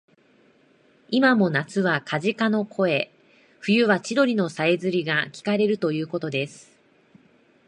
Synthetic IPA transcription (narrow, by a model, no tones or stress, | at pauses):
imamo̞nat͡sɨβakʰaʑikano̞kʰo̞e̞ | ɸɯ̟jɯ̟βat͡ɕiɾo̞ɾʲino̞saezɨɾʲiɡakʲi̥kaɾe̞ɾɯ̟t̪o̞jɯ̟ːko̞t̪od̪e̞sɨ̥